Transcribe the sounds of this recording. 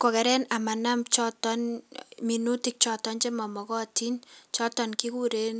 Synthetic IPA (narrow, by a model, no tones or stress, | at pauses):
kɔkɛɾɛnamanamt͡ʃɔtɔnminutik̚t͡ʃɔtɔnt͡ʃɛmamɔkɔtint͡ʃɔtɔnkikuɾen